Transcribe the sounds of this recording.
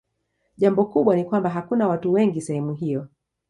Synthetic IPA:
ʄambɔkuɓwanikwambaɦakunawatuwɛŋɡisɛhɛmuɦijɔ

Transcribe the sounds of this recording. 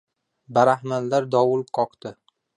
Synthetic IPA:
baɾahmalːaɾd̪ɒwʊlˠqʰɒqt̪ɪ

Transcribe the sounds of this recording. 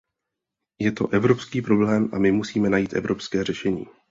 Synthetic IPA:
jɛt̪o̞̰ʔɛvɾo̞pskiːpɾo̞blɛːmʔamɪmusiːmɛnajiːt̪ʔɛ̰vɾʔo̞pskɛːr̝ɛʃɛɲḭː

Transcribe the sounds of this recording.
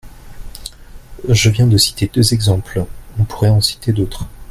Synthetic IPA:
ʒəvjɛ̃d̪əsi̥t̪ʰed̪øzɛɡzɑ̃plɔ̃pʰu̥ʁɛɑ̃si̥t̪ed̪ot̪χ

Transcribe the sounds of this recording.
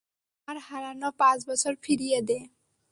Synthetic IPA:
aɾhaɾanɔpazbɔsɔɾpʰiɾied̪e

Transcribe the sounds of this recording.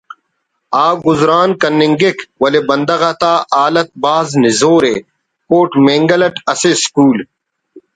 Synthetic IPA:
aːɡʊzɾaːnkɐnːɪŋɡɪkwɐlebɐnd̪ɐɣat̪aːʔaːlɐt̪̚baːznɪzoːɾeː | koːʈmeːŋɡɐlɐʈɐseskuːl

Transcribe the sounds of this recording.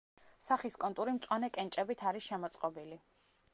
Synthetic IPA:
saχiskʼɔnt̪ʼuɾimt̪sʼwanɛkʼɛnt͡ʃʼɛbit̪ʰaɾisʃɛmɔt̪sʼqʼɔbili

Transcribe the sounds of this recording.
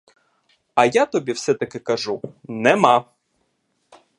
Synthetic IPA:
ɐjat̪ɔbʲiwsɛt̪ɐkɪkɐʒunɛma

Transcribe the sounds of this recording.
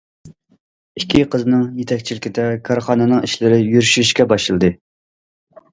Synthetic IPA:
ikʲʰːiqəzɨnɨŋjet̪ʰɛkʲt͡ʃʰilɪkʲʰɪd̪ɛkʰɑɾχɑːnɨnɨŋiʃlɪɾɪjyɾyʃyʃkʲɛbɑʃɨlˠɨd̪ɨ

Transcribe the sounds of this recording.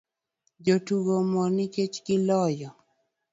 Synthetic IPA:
d͡ʒotuɡomɔnɪket͡ʃɡɪlɔjɔ

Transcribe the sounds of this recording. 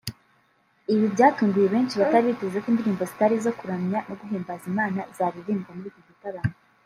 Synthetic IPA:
iβibɟaːtuːmbijeβe̞ːnt͡ʃiβataɾiβitezekiːndiɾiːmbo̞zitaɾizo̞kuɾamɲano̞ɡuɦeːmbazimaːnaz̥aːβiɾiːmbamuɾiɡoɡitaβano

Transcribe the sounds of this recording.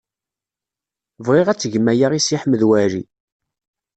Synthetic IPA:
vʁeʁæt͡sːʝəmæjaʁisiħməðwæɾi

